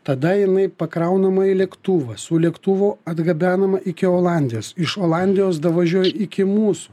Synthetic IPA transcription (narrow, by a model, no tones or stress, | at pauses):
t̪ɐd̪ɐjɪnɐɪpɐkɾɐʊnɐmɐɪlʲɛkt̪uːʋɐsʊlʲɛkt̪uʋoːɐd̪ɡɐbʲæːnɐmɐʔɪkʲɪoːlˠɑnʲd̪ʲɪjoːsɪʃoːlˠɑnʲd̪ʲɪjoːs̬d̪ɐʋɐʒʲuɔjɛɪkʲɪmuːsu̥